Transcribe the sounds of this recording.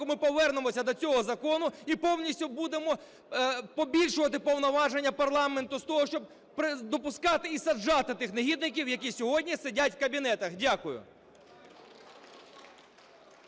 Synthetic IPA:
ʊmɪpɔʋɛrnemɔsʲɐd̪ɔt͡sʲɔɦɔzɐkɔnʊipɔwnʲisʲtʲʊbud̪emɔ | pɔbʲilʲʃʊʋɐt̪ɪpɔwnɔʋɑʒenʲːɐpɐrlˠɑment̪ʊst̪ɔɦɔʃt͡ʃɔb̚ | pɾɪd̪ɔpʊskɑt̪ɪisɐd͡ʒːɑt̪ɪt̪ɪxnɐɦʲid̪nɪk̬ʲiwjɐkʲisʲɔɦɔdʲnʲisedʲatʲwkɐbʲin̪ɛt̪ɐxdʲakʊjʊ̰

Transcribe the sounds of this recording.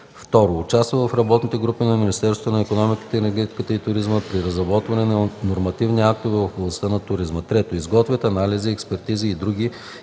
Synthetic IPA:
ft̪ɔɾoːt͡ʃast̪vəvɐfɾɐbɔt̪nit̪ɛɡɾupinɐminist̪ɛɾsot̪onɐɛkonɔmiki̥t̪ɛːnɛɾɡʲɛt̪i̥kət̪əit̪ʊɾizməpɾiɾɐzɾɐbɔt̪vɐnɛnɐnoɾmɐt̪ivniak̚t̪ovɛvɐfʊblˠɐst̪ənɐt̪ʊɾizmət̪ɾɛt̪oizɡɔt̪vʲət̪ɐnaliziɛkspɛɾt̪iziːd̪ɾuɡʲi

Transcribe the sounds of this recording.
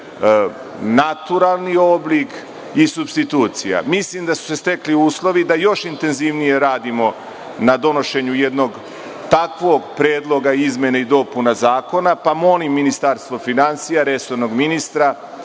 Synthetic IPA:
nat̪uɾalˠnio̞blik | isubst̪it̪uːt̪sija̰mislimd̪asu̥se̞st̪e̞kliuːslˠo̞ʋid̪ajo̞ʃint̪e̞nziʋnije̞ɾaːd̪imo̞ | nad̪o̞no̞ʃe̞ɲuje̞d̪no̞ɡ | t̪akʋo̞ɡpɾeːd̪lˠo̞ɡaizmʲje̞neid̪o̞punazaːko̞napamo̞limːinist̪aɾst̪ʋo̞finansijaɾe̞so̞ɾno̞ɡminist̪ɾa

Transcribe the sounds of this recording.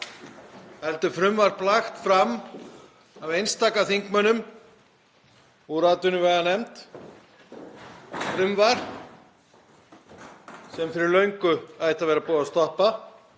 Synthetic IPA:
hɛlt̪ʏfɾʏmvaɾplaxt̪fɾam | avejnst̪aːkaθiŋkmœnʏm | uɾaːt̪ʏnʏvɛɣðanɛmt̪ | fɾʏmvaɾ | sɛmfɪɾɪɾlœɥŋkʏaːjht̪avɛːɾapɔːast̪ɔhpa

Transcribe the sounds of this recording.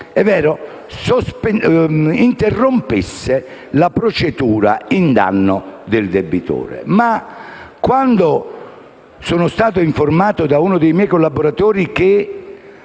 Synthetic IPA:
ɛvːɛːɾo | sosp | int̪erːompisːe | lapɾot͡ʃet̪uːɾa̰ind̪a̰nːʊd̪ɪld̪ebit̪o̰ːɾḛmakwand̪o | soːnʊst̪aːt̪̬oiɱformaːt̪ʊd̪aunʊd̪ejmjɛjkolːaboɾat̪oːɾik̟e

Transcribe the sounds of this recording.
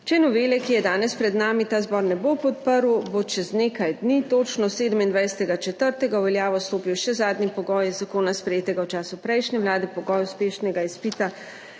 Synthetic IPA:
t͡ʃɛnɔʋeːlɛkijɛd̪aːnɛspɾɛd̪naːmit̪aːzbɔːɾnɛbopɔt̪̚pəɾwbot͡ʃɛzneːkajd̪nit̪oːt͡ʃnɔseːd̪əmind̪ʋajsɛt̪ɛɡat͡ʃɛt̪əɾt̪ɛɡawʋɛljaːʋɔst̪oːpiwʃɛzaːd̪nipɔɡɔːjɛzakoːnaspɾɛjeːt̪ɛɡawt͡ʃaːsupɾɛjʃnʲɛʋlaːd̪ɛpɔɡɔːjuspeːʃnɛɡaispiːt̪a

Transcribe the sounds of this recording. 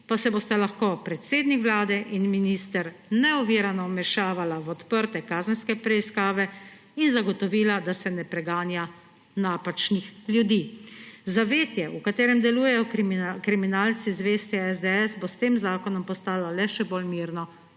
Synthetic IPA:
pasɛboːst̪alaxkopɾɛt̪seːd̪nikʋlaːd̪ɛʔinminist̪əɾnɛɔʋiːɾanɔmɛʃaːʋalaʋɔt̪pəɾt̪ɛkaːzənskɛpɾɛiskaːʋɛ | inzaɡɔt̪ɔʋiːlad̪asɛnɛpɾɛɡaːnja | naːpat͡ʃnixlʲjud̪iːzaʋeːt̪jɛʔukat̪eːɾɛmd̪ɛluːjɛjɔkɾiminaːlt̪sizʋeːst̪jaɛzd̪ɛɛsbost̪eːmzaːkɔnɔmpɔst̪aːlalɛʃɛbolmiːɾnɔ

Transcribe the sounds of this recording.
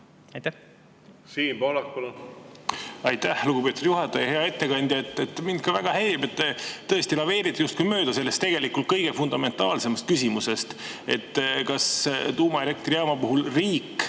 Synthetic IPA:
ɑjt̪æ | siːmpolɑkːul | ɑjt̪ːæhluɡ̥upet̪urjuɦɑt̪ːˑɑjɑhe̞ɑe̞t̪ːe̞kɑnʲd̪jɑet̪ːˑet̪ːmind̪̥̚kɑvæɡ̥ɑhelibe̞t̪ːet̪ːɤ̞est̪ilɑve̞ːɾit̪ˑːɑjust̪̚kujmø̞ːd̪̥ɑse̞lːe̞st̪e̞ɡ̥e̞likːˑult̪̚kɤjɡ̥e̞fund̪̥ɑme̞nt̪ˑɑːlse̞mɑst̪̚kysʲimuse̞st̪e̞̰t̪ːkɑst̪uːmɑiɾek̚t̪rijɑmɑpuɦulriːkː

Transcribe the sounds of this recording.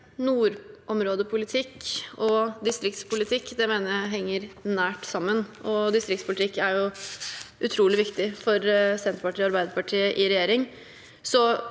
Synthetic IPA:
nuːɾʔɔmɾoːd̪əpʰʊlɪt̪ʰɪkːɔd̪ɪst̪ɾɪk̚t̪spʊlɪt̪ʰɪkːd̪ɛmeːnəɾjæɪɦɛŋːəɾnæːʈsɑmːənʔɔd̪ɪst̪ɾɪk̚t̪spʰʊlɪt̪ʰɪkːæɾjʊ | ʔʉt̪ʰɾuːlɪʋɪkt̪ɪfɔɾsɛnt̪ɾəpɑʈʰiːɔɑɾbæɪd̪əpɑʈʰiːəʔɪɾɛjeːɾɪŋ | sɔ

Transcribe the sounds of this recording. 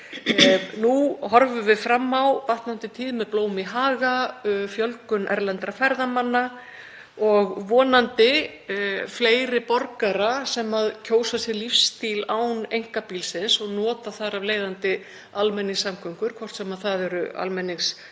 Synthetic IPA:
nuɦɔɾvʏvɪðfɾamːawvaht̪nant̪ɪt̪ʰiːðmɛðploːwmiɦaːɣafjœlkʏnʔɛ̰ɾlant̪ɾafɛɾðamanːa | ɔɣvɔːnant̪ɪ | fleːjɾɪpɔɾkaɾasɛmaðcʰoːwsasjɛɾlifst̪iːlaːwnejŋ̥kapiːlsɪnsɔɣnɔːt̪aθaɾavleːjðant̪ɪ | almɛnːiŋsːamkʰœŋ̥kʏɾ̥kʰvɔr̥t̪sɛmaðθaðɛɾʏ̰a̰lmɛnːɪŋs

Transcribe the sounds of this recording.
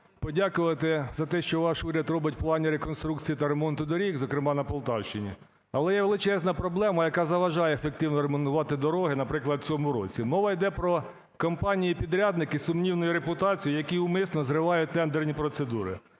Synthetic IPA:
pɔdʲakʊʋɐt̪ɪzɐt̪ɛʃt͡ʃɔʋɑʃuɾʲɐd̪rɔbɪt̚ʲplˠɑnʲiɾekɔnst̪ɾukt͡sʲijit̪ɐɾemɔnt̪ʊd̪ɔɾʲikzɔkɾɪmɑnɐpɔlˠt̪ɑwʃt͡ʃɪnʲḭ | ɐlˠɛjɛʋelˠɪt͡ʃɛznɐpɾɔblˠɛmɐjɐkɑzɐʋɐʒɑjɛefekt̪ɪwnɔɾemɔnt̪ʊʋɑt̪ɪd̪ɔɾɔɦɪnɐpɾɪklˠɐd̪̚t͡sʲɔmʊɾɔt͡sʲimɔʋɐjd̪ɛpɾɔ | kɐmpɑnʲijipʲid̪ɾʲad̪nɪkɪsʊmnʲiwnɔjiɾepʊt̪ɑt͡sʲijijɐkiʊmɪsnɔzɾɪʋɑjʊt̪ɛnd̪ernʲipɾɔt̪sed̪uɾɪ̰

